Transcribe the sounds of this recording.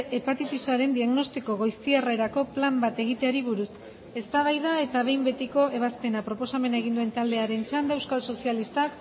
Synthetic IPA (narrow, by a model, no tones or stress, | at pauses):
e̞pat̪it̪isaɾe̞nd̪iaɣno̞st̪iko̞ɣo̞jst̪iaraeɾako̞plambat̪e̞ɣ̞it̪e̞aɾiβ̞uɾus | e̞st̪aβajðae̞t̪aβ̞e̞jmbe̞t̪iko̞e̞β̞aspe̞napɾo̞po̞same̞naeɣ̞ind̪ue̞nt̪ald̪e̞aɾe̞nt͡ʃand̪ewskalso̞sialist̪ak